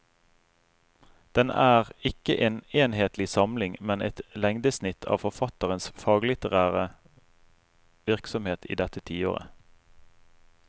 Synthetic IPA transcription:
d̪̥ɛnæːʁɪkəʔeːneːnheːt̪lɪsɑmlɪŋmɛnʔɛ̰t̪lɛŋd̪əsnɪt̪ʰɑ̰ːʋfɔʁfɑt̪əʁənsfɑːɡlɪt̪əʁæːʁə | ʋɪʁksɔmheːt̪ʰḭːd̪ɛt̪ət̪ʰiːo̰ːʁə̰

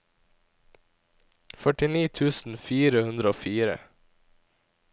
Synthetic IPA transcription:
fœʈɪniːt̪ʰʉːsn̩fiːɾəhʉnd̪ɾəoːfiːɾə̰

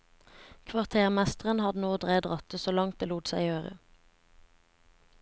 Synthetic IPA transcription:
kʰʋɑʁt̪ʰeːʁmæst̪əʁənhɑd̪ənoːd̪ʁæːd̪ʁɑt̪əsoːlɑŋt̪̚d̪eːluːt̪sæɪøːʁə̰

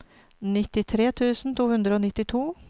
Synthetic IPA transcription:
nɪt̪ɪt̪ʰɾeːt̪ʰʉːsn̩t̪ʰuːhʉnd̪ɾəoːnɪt̪ɪt̪ʰuː

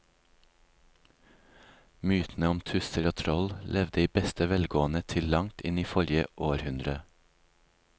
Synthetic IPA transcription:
myːt̪n̩əɔmt̪ʰʉsəɾoːt̪ʰɾɔllʔɛʋd̪əiːbɛst̪əʋɛlɡoːənət̪ʰɪlɑŋt̪ɪ̰niːfɔɾjə̰ʔoːɾhʉnd̪ɾə

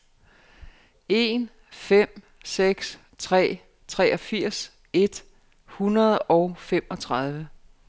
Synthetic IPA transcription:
e̝n | fem̰ | seɡ̥s | t͡sʰʁɛ̰ː | t͡sʰʁɛːʔɒ̽fiɐ̰s | e̝d̥ | hunɐð̞ˠʔɒ̽ʊfem̰ɒ̽t͡sʰʁɑð̞ˠʋə

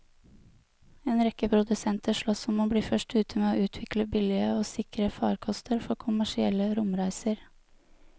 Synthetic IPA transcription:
eːnɾɛkəpʰɾʊd̪ʉsɛnt̪əʂɭɔsɔmoːbɽiːfœʂʈʉːt̪ʰəmeːoːʔʉːt̪ʰʋɪkləbɪlɪəoːsɪkɾəfɑːɾkʰɔst̪ʰəɾfɔɾkʰʊmæʂɪɛləɾʊmɾæɪsəɾ

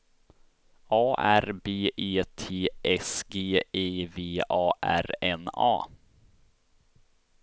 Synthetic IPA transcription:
ʔɑːʔæɾbeːʔeːt̪ʰeːʔɛsɡeːeːveːʔɑːʔæ̰ɾɛnɑ̰ː

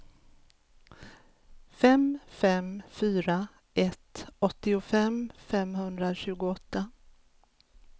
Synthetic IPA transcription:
fɛmfɛmfyːɾa | ʔɛt̪ɔt̪ːɪʊfɛmfɛmɦɵnd̪ɾaɕʉ̟ːɡʊɔt̪ːa

